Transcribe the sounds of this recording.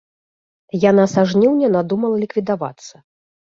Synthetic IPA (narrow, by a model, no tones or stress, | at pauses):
janasaʐnʲiwnʲɛnad̪umɐlˠɐlʲikvʲid̪ava̰t̪sːɐ